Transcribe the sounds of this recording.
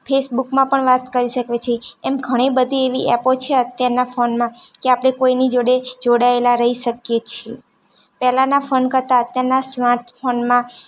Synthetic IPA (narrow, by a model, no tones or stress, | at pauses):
fʰesbukmãpəɳʋat̪kəɾiʃəkʋet͡ʃʰeːmɡʱəɽ̃ibəd̪ʱieʋiʔɛpot͡ʃʰeət̪jaɾnafonmãkeapɽ̃ekoinid͡ʒoɽed͡ʒoɽaelaɾəɦiʃəkjet͡ʃʰie | pɛɦlãnafʰonkəɾt̪aət̪jaɾnasmaɾʈpʰonmã